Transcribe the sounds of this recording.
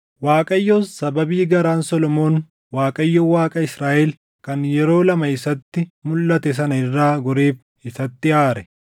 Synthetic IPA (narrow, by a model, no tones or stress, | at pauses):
waːkʼɐjːosɐbɐbiːɡɐɾaːnsɔlɔmo̞ːn | waːkʼɐjːoːwaːkʼɐɪsɾaːʔɛl | kɐnjɛɾo̞ːlɐmɐɪsɐt̪ːɪmʊlːɐt̪ɛs̬ɐnɐɪrːaːɡɔɾeːf | ɪsɐt̪ːɪaːɾɛ